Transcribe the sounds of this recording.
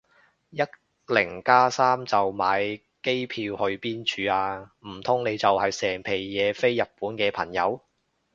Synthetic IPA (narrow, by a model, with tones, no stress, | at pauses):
jɐ˥t̚ | lɪ˨˩ŋkaː˥saː˥mt͡sɐ˨wmaː˨˧j | ke˥jpʰiː˧whɵ˧ɥpiː˥nt͡ʃʰyː˧aː˧m̩˨˩t̪ʰʊ˥ŋne˨˧jt͡sɐ˨whɐ˨jsɛː˨˩ŋpʰe˨˩jːɛː˨˧fe˥jːɐ˨t̚pːuː˨˥nkɛː˧pʰɐ˨˩ŋjɐ˨˧w